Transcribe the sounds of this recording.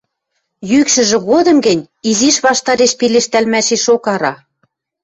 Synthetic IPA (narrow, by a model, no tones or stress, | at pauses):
jykʃɘ̆ʒɘ̆ɣod̪ɤ̆mɡɘ̆nʲ | iziʃβɑʃt̪ɑɾeʃpileʃt̪ælmæʃeʃokɑɾɑ